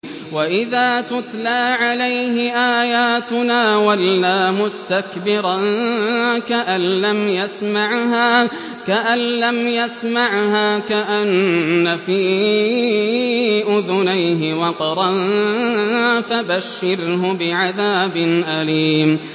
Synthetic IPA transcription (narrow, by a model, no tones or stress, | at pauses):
waʔɪðaːt̪ʊt̪laːʕalajɦɪʔaːjaːt̪ʊnaːwalːaːmʊst̪akbɪɾɑn | kaʔanlamjasmaʕɦaː | kaʔanlamjasmaʕhaːkaʔanːafiː | ʔʊðʊnajɦɪwɑt̪ˤɾˤɑn | fabaʃːɪɾɦʊbɪʕaðaːbɪnʔaliːm